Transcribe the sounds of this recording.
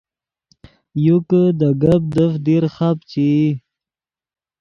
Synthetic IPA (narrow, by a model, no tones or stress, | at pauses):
jukəd̪əɡəp̚d̪əfd̪iɾχapt͡ɕi